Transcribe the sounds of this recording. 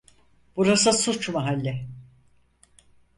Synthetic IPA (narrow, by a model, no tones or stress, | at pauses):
b̥uɾasɯsut͡ʃmaɦalʲːɛ